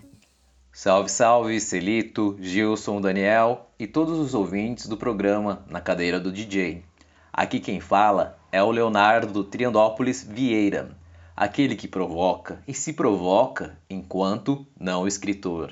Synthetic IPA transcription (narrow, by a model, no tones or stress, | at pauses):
sawvisawviselit̪ʊʒiwsõw̃d̪ɐniɛwɪt̪od̪ʊzʊzowvĩt͡ʃɪzd̪ʊpɾoɡɾɐ̃mɐnɐkad̪ejɾɐd̪ʊd͡ʒid͡ʒej | a̰kikẽj̃falɐɛʊleonaɾd̪ʊt̪ɾiɐ̃nd̪ɔpʊlizviejɾɐ̰a̰kelɪkɪpɾovɔkɐɪsɪpɾovɔkɐẽkwɐ̃nt̪ʊnɐ̃w̃ɪskɾit̪oɾ